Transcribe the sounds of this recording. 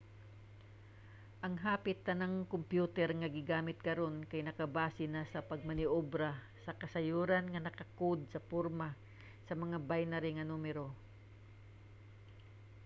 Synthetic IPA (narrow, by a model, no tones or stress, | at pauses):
ʔɐŋɦaːpɪt̪ːɐnaŋkʊmpjuːt̪ɛɾŋɐɡɪɡaːmɪt̪̚kɐɾo̞nkajnɐkɐbaːsɪnasɐpɐɡ̚mɐnɪʔobɾa | sɐkɐsɐjuːɾanŋɐnɐkɐkod̪̚sɐpoɾma | sɐmɐŋabajnɐɾɪŋɐnuːmɛɾo